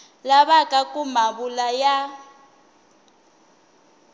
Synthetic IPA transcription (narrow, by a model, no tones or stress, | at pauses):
laβakʼakʼumaβulaja